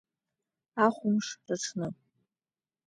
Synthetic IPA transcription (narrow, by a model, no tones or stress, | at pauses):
aχʷʊmʂraʈ͡ʂʰnɨ